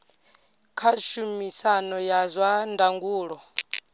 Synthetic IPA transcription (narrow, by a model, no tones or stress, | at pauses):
kʰaʃumisanɔjazʷwandaŋɡuːɺɔ